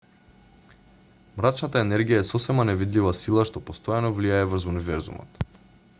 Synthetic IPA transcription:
mɾat͡ʃnat̪aɛnɛɾɡijaɛsɔsɛmanɛvid̪livasilˠaʃt̪ɔpost̪ɔjanɔvliaɛvr̩zunivɛɾzṵmɔ̰t̪

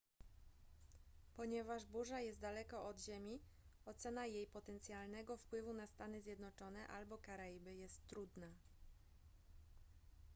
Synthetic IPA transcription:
pɔɲɛvaʐbuʐajɛst̪d̪alɛkɔʔɔd̪ʑemʲiɔt̪sɛnajejpɔt̪ɛnt̪sʲjalnɛɡɔfpwɘvunast̪anɘzʲjɛd̪nɔt͡ʂɔnɛʔalbɔkaɾajbɘjɛst̪ːɾud̪na

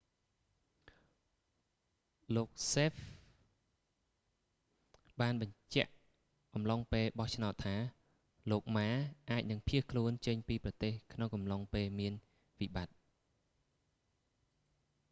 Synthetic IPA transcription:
loːk̚seːf | ɓaːnɓɑɲt͡ɕɛ̆əʔ | ʔɑmloŋpeːlɓɑht͡ɕʰnaɔt̪ʰːaː | loːk̚maːʔaːc̚nɨŋpʰiəhkʰluənt͡ɕəɲpiːprɑt̪eːhkʰnoŋkɑmloŋpeːlmiən | ʋiɓat̪̚

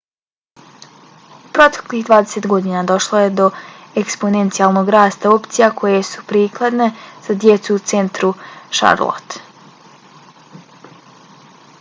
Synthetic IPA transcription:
upɾo̞t̪e̥kliɦd̪ʋaːd̪ese̞t̪ɡo̞d̪inad̪o̞ʃlˠoje̞d̪o̞ekspo̞nent̪sijalˠno̞ɡɾaːst̪ao̞pt̪sijakʰo̞je̞su̥pɾiːklˠad̪ne̞z̥ad̪je̞t̪suut̪se̞nt̪ɾuʃa̰ɾlˠo̰t̪

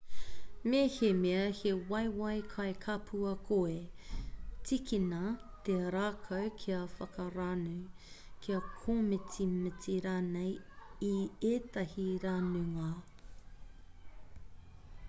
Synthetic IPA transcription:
mehemeɐhewɐjwɐjkʰɐjkʰɐpʰuɐkʰoe | t͡sikinɐ | t̪eɾaːkʰɐwkʰiɐfɐkɐɾanu | kʰiɐkʰomɪt͡simɪt͡siɾaːnejieːtɐhiɾanuŋa

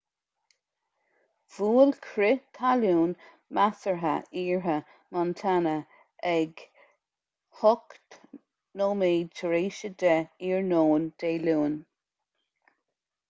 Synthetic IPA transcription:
v̥uːlkʰɾɪt̪ʰaluːn | masəɹɦə̰iːɹɦə | mant̪ʰanə | ɛɡ | hʊkt̪ | noːmeːtʰəɹeːʃəd̪ɛiːɹnoːnd̪̥eːluːn

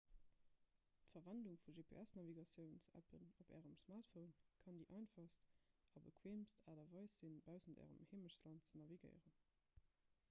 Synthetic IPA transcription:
tfɐvænduŋfuʒeːpʰḛːʔæsnɑviɡɑsjəʊnsæ̰pʰə̰nobæ̰ːʁəmsmaːʁtfəʊnkʰɑndiːʔɑɪnfɑstɑbəkʰweːmstʰaːdɐvɑɪsz̥inbaʊzəndæ̰ːʁə̰mheːməʃslɑntt͡sənɑviɡə̰ɪʁən

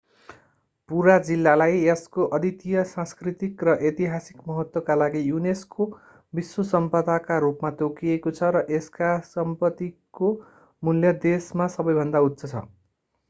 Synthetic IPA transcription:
puɾad͡zilːalajeskoʔʌd̪it̪ijʌsãskrit̪ikrʌʔet̪iɦasikmʌɦʌt̪wʌkalaɡijunesko | biswosʌmpʌd̪akaɾupmat̪okiekot͡sʰʌɾʌʔeskasʌmpʌt̪iko | muljʌd̪esmasʌbʌjbʱʌnd̪aut̪sʌt͡sʰʌ̰

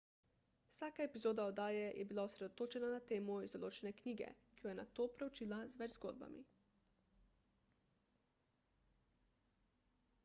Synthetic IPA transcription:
wsaːkaɛpizoːd̪aɔd̪aːjɛjʔɛbilausɾɛd̪ɔt̪oːt͡ʃɛnanat̪eːmɔizd̪ɔloːt͡ʃɛnɛkniːɡɛ̰kijɔjɛnat̪oːpɾɛwt͡ʃiːlazʋɛd͡ʒzɡo̰ːd̪̚ba̰mḭ

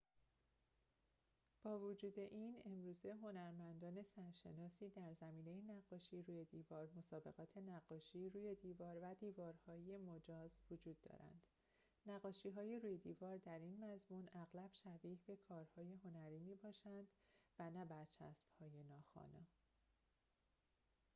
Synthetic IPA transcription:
b̥ɒːvod͡ʒuːd̪e̞ʔiːne̞mɾuːze̞ɦo̞næɾmænd̪ɒːne̞sæɾʃe̞nɒːsiːd̪æɾzæmiːne̞jenæɡːɒːʃiːɾuːje̞d̪iːvɒːɾmo̞sɒːbe̞̰ɣɒːt̪ʰe̞næɢːɒːʃiːruːje̞d̪iːvɒːɾvæd̪iːvɒːɾhɒːje̞mod͡ʒɒːzvod͡ʒuːd̪ːɒ̰ːɾæ̰nd̪̥ | næɣːɒːʃiːɦɒːjeruːjed̪iːvɒːɾd̪æɾinmæzmunæɣlæb̥ʃæviːhbe̞kʰɒːɾhɒːje̞ɦo̞næɾiːmiːbɒːʃænd̪̥vænæbæɾt͡ʃʰæ̰sb̥hɒːje̞nɒːxɒ̰ːne

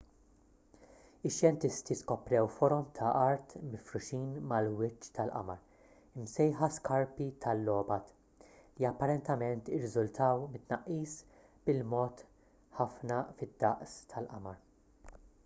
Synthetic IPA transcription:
ɪʃjɛnt̪ɪst̪iskɔpɾɛwfɔɾɔmt̪ʰɐʔɐɾt̪mɪfɾʊʃiːnmɐlwɪt͡ʃːt̪ɐlʔɐ̰mɐɾ | ɪmsɛjħɐskɐɾpit̪ʰɐlːɔːbɐt̪ | liɐpːɐɾɛnt̪ɛmɛnt̪ɪɾːɪzʊlt̪ʰɐwmɪt̪ːnɐʔːiːs | bɪlmɔːt̪ | ħɐfnɐfɪd̪ːɐʔst̪ʰɐlʔɐ̰mɐɾ

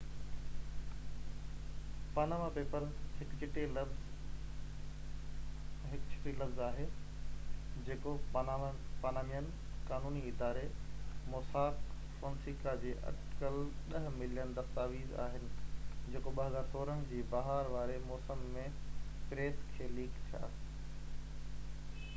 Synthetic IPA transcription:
paːnaːmapeːpəɾzɦɪkt͡ɕʰɪʈelz | ɦɪkt͡ɕʰɪ̥ʈilɐfzaːɦe | d͡ʑeːkoapaːnaːmijənɪ̆ | kaːnuːniɪd̪aːɾemɔːsaːk | fɔ̃ːnsiːkad͡ʑeːʔɐ̰ʈkəlɗɐɦmɪlijənd̪ɐst̪aːʋiːza̰ːɦɪnɪ̆d͡ʑeːkoɓɐɦɐzaːɾsoːɾəɦə̃d͡ʑiːbɐɦaːɾʋaːɾemɔːsəmːẽpɾeːt̪kʰeːliːkt̪ʰija̰ː

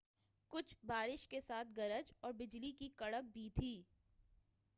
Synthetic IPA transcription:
kʊt͡ʃʰbaːɾɪʃkesaːt̪̚ʰɡɐɾəd͡ʒɔːɾbɪd͡ʒlikikɐɽək̚bʱit̪ʰiː

